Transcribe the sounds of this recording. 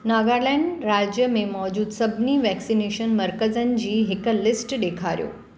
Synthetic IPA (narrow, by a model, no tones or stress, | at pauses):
naːɡaːɾlɛ̃ːɳɖɾaːd͡ʑjəmẽmɔːd͡ʑuːd̪sɐbʱniʋɛːksineːʃənmɐɾkəzənɪ̆d͡ʑiːɦɪklɪsʈɗeːkʰaːɾijo̰ː